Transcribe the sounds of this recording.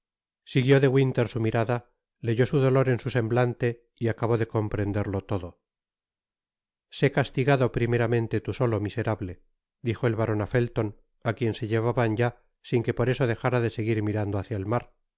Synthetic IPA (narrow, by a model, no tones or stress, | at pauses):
siɣjo̞ðe̞ɣwint̪e̞ɾsumiɾaða | le̞ʝo̞suðo̞lo̞ɾe̞nsuse̞mblant̪e̞ | iakaβo̞ðe̞ko̞mpɾe̞nd̪e̞ɾlo̞t̪o̞ðo̞ | se̞kast̪iɣaðo̞pɾime̞ɾamẽ̞nt̪e̞t̪uso̞lo̞mise̞ɾaβle̞ | d̪ixo̞elβaɾo̞nafe̞lt̪o̞n | akje̞nse̞ʎeβaβanɟ͡ʝa | siŋke̞po̞ɾe̞so̞ð̞e̞xaɾaðe̞se̞ɣiɾmiɾand̪oaθjaelmaɾ